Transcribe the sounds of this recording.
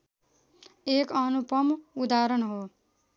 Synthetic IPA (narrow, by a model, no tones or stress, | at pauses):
ekʌnupʌmud̪aɾʌnɦo